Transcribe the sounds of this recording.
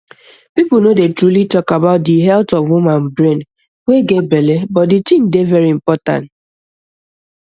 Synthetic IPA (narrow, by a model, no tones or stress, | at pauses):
pipl̩nodetɹulitɔkabaʊt̚diɦɛltɔvwumãnbɾen | weɡebelebɔtdit͡ʃĩn̩devɛɾim̩pɔtã̰nt